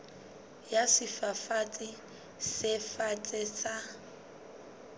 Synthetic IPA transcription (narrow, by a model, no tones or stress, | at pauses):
jasɪfafat͡sʼɪ | sɪfat͡sʼɪsa